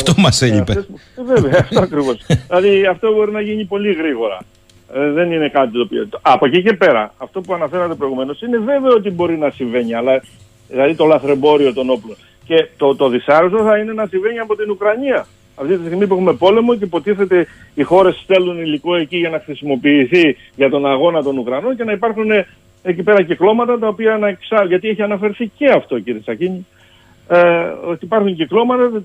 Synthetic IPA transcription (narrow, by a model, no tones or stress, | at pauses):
ft̪omɐseʎipees | veveɐːft̪o̞ɐkɾivo̞sðilɐðiɐft̪oubo̞ɾinɐʝiɲipo̞liɣɾiɣo̞ɾɐ̰ | ðe̞nine̞kɐt̪it̪opit̪ɐpocice̞pe̞ɾɐ̰ɐft̪o̞puɐnɐfe̞ɾɐt̪e̞pɾo̞iɣume̞no̞sine̞ve̞veɐot̪̬ibo̞ɾinɐsiɱve̞ɲiɐlɐ | ðilɐðit̪o̞lɐθɾe̞bo̞ɾio̞t̪o̞no̞plo̞n | ce̞t̪ot̪o̞ðisɐɾusoθɐine̞nɐsiɱve̞ɲiɐpo̞t̪inukɾɐɲiɐ | ɐft̪it̪ist̪iɣmip̬ue̞xume̞po̞le̞mo̞cepo̞t̪iθe̞t̪e̞ixo̞ɾe̞st̪e̞luniliko̞e̞ciʝɐnɐxɾisimo̞piːθi | ʝɐt̪o̞nɐɣo̞nɐt̪o̞nukɾɐno̞nce̞nɐipɐɾxune̞ | ecipe̞ɾɐciklo̞mɐt̪ɐt̪ɐopiɐnɐeksɐʝɐt̪ie̞çiɐnɐfe̞ɾθice̞ɐft̪o̞ciɾiesɐciɲi | ot̪ipɐɾxuɲciklo̞mɐt̪ɐ